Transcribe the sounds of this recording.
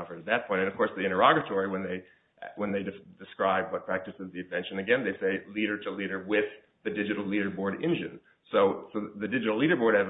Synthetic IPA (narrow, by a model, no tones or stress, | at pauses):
ʌfə˞ɾɨt̪̚ðɨt̚pʰɔ̃ɪ̃ñtɨ̃nʌv̥kʰɔɹsðiɪ̃ɾ̃ə˞ɑɡɨtʰɔɹiwə̃nðeɪ | wə̃nðeɪdɨdɨskɹaɪb̚wʌt̚pʰɹ̥æk̚tɨsɨzðiɨ̃nvɛ̃nʃɨ̃nɨɡɛ̃nðeɪseɪliɾə˞ɾəliɾə˞wɪð̥ | ðɨdɪd͡ʒɨɾl̩ˠliɾə˞bɔɹɾɪ̰̃nd͡ʒɨ̰̃n | soʊsoʊðɨdɪd͡ʒɨɾl̩ˠliɾə˞bɔɹɾ̚ɨv